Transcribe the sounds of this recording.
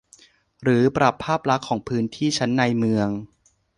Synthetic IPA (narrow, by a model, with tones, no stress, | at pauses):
ɾɯː˩˦pɾa˨˩pʰːaː˥˩p̚la˦˥kʰːɔː˩˦ŋpʰɯː˦˥nt̪ʰiː˥˩t͡ɕʰa˦˥nːa˧jmɯ˧əŋ